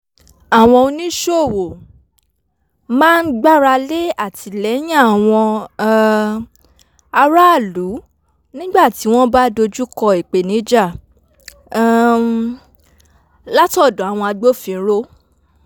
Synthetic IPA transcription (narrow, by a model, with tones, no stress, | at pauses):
a˨w̃ɔ̃˧o˧nĩ˦ʃo˦˨wo˨ | mãː˦n̩˦ɡ͡ba˦ɾa˧le˦a˦˨ti˧lɛ˨˦j̃ã˦a˨w̃ɔ̃˧˨ | a˧ɾa˦˨lu˨˦ | nĩ˦ɡ͡ba˦˨ti˨˦w̃ɔ̃˦ba˦do˧d͡ʒu˦kɔ˧i˨k͡pe˨nĩ˨˦d͡ʒa˦˨˦ | la˦tɔ˦˨dɔ̃˨a˨w̃ɔ̃˧a˧ɡ͡bo˦˨fĩ˨˦ɾo˦